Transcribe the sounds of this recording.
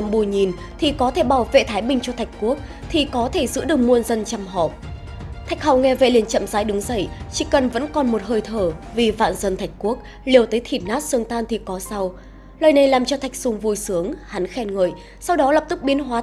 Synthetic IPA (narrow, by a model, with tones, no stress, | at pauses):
mɓu˧˩ɲi˨˩n | t̪ʰi˨˩kɔ˨˦t̪ʰe˧˩ɓaː˧˩wvḛ˧˨t̪ʰaː˨˦jɓï˧˩ŋ̟t͡ɕɔ˧t̪ʰa˨˩jk̟̚ku˦˥ək̚ | t̪ʰi˨˩kɔ˨˦t̪ʰe˧˩zɨ̰˧˥ɗɨ˨˩ək̚mu˧ənzə˧nt͡ɕa˧mɦɔ̰˧˨˩p̚ | t̪ʰa˨˩jk̟̚ha˨˩wŋɛ˧vḛ˧˨li˨˩ənt͡ɕə̰˧˨mzaː˨˦jɗɨ˨˦ŋzə̰˧˩jt͡ɕḭ˧˩kə˨˩nvə̰˧˥nkɔ˨˩nmo˨˩t̚həː˧˩jt̪ʰəː˧˩vi˨˩va̰ː˧˨nzə˧nt̪ʰa˨˩jk̟̚ku˦˥ək̚ | li˨˩əwt̪əː˨˦jt̪ʰi˨˩t̚naː˦˥t̚sɨ˧əŋt̪aː˧nt̪ʰi˨˩kɔ˨˦sa˧w | laəː˨˩jna˨˩jlaː˨˩mt͡ɕɔ˧t̪ʰa˨˩jk̚sʊ˨˧˩ŋ͡mvu˧jsɨ˨˦əŋha˨˦nxɛ˧nŋə̰ː˧˨j | sa˧wɗɔ˨˦lə˨˩p̚t̪ɨ˦˥k̚ɓi˨˦ənɦwaː˨˦